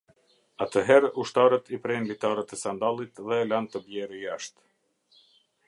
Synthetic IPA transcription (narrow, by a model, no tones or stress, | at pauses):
at̪əɦɛɾuʃt̪aɾət̪ʰipɾɛnlit̪aɾət̪ɛsand̪alˠit̪ðɛlant̪əbjɛɾijaʃt̪